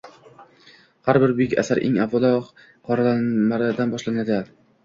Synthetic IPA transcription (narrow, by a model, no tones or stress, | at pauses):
haɾbɪɾbʊjɪkʲa̰saɾʔḛŋabvɒlˠɒ | qʰɒɾalanmaɾɪd̪anbɒʃlanad̪ɪ